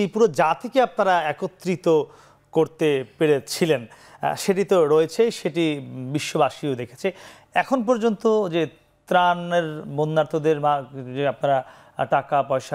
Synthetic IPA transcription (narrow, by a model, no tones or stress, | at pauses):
epuɾod͡ʑat̪ʰekeapnaɾaɛkot̪ːɾit̪o | koɾt̪epeɾet͡ɕʰilen | ʃeʈ̬it̪oɾoet͡ɕʰeʃeʈibiʃːobaʃiod̪ekʰe̥t͡ɕʰe | ɛkʰonp̬ɔɾd͡ʑont̪od͡ʑe | t̪ɾaneɾbonːaɾt̪ʰod̪eɾbad͡ʑeap̚naɾa | ʈakapɔeʃa